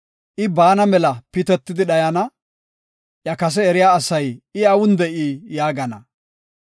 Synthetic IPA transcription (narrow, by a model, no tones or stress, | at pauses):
ʔɪbaːnɐmɛlɐpɪt̪ɛt̪ːɪd̪ɪɗɐjɐnɐ | ʔjɐkɐs̬ɛɛɾɪjaːsɐjɪɐwʊnd̪ɛʔiːjaːɡɐnɐ